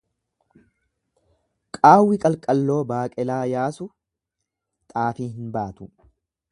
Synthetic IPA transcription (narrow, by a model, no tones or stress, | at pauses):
kʼaːwːɪkʼɐlkʼɐlːo̞ːbaːkʼɛlaːjaːsʊ | t̪ʼaːfiːhɪnbaːt̪ʊ